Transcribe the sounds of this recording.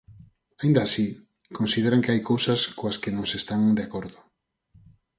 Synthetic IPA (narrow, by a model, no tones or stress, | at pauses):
aĩnd̪aːsi | konsið̞eɾaŋkeajkowsɐskoaskenõŋsest̪aŋd̪eakoɾðʊ